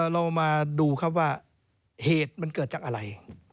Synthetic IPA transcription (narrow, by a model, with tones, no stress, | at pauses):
ɾa˧wmaː˧duː˧kʰa˥˩p̚waː˥˩ | heː˨˩t̪̚ma˧nkɤː˨˩t̪t͡ɕaː˨˩k̚ʔa˧ɾa˧j